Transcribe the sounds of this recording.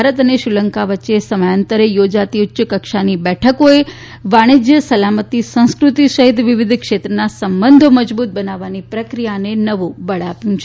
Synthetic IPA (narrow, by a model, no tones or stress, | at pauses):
bʱaɾət̪əneʃɾɪləŋkaʋətːʃesəmajənt̪əɾejod͡ʒat̪iʊtːʃəkəkʃanibɛʈʰəkoe | ʋaɽ̃id͡ʒjəsəlamət̪isə̃w̃skɾʊt̪isəɦɪt̪ʋɪʋɪd̪ʱkʃet̪ɾənasəmbənd̪ʱoməd͡ʒbut̪̚bənaʋːanipɾəkɾijanenəʋũbəɭapjũt͡ʃʰe